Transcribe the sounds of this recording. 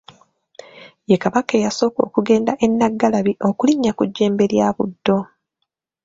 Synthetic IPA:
jekaβakejaso̞ːko̞̰ːkuɡe̞ːndaʔe̞nːaɡːalaβiʔokuliɲːakuɟːe̞ːmbe̞ljaːβudːo̞

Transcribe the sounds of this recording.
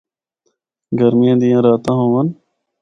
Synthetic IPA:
ɡɐɾmijãːd̪ijãːɾaːt̪ãːɦõːʋɐn

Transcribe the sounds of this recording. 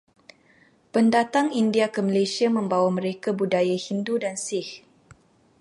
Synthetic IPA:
pəndat̪aŋindiakəməlesiamə̃mbawamə̃ɾekabudajahindudansɪh

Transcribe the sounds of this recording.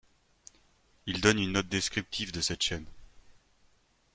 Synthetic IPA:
ild̪ɔnynːɔt̪̚d̪eskχip̚t̪ʰivd̪əsɛt̪ʃɛn

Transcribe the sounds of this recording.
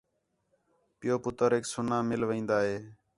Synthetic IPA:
pɪjoːpʊt̪əɾɦeːksʊnãːmɪlʋĩːnd̪aːɦeː

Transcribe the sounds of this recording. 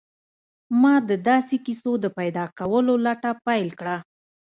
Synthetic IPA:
mɑd̪əd̪ɑsekisod̪əpajd̪ɑkawəlolaʈapajlkɽa

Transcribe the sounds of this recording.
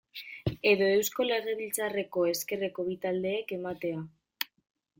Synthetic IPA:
e̞ðo̞e̞wsko̞le̞ɣe̞βilt͡sare̞ko̞e̞ske̞re̞ko̞βit̪ald̪e̞ːke̞mat̪e̞a

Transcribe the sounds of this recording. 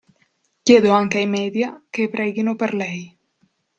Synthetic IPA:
ɟeðoaŋkajmeðjakepɾɛjɣinopeɾlɛj

